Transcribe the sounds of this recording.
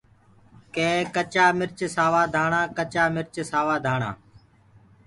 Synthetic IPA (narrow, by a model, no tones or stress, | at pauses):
kẽːkət͡ʃaːmɪɾt͡ʃsaːʋaːd̪ʱaːɳãːkət͡ʃaːmɪɾt͡ʃsaːʋaːd̪ʱaːɳ̃ã̰ː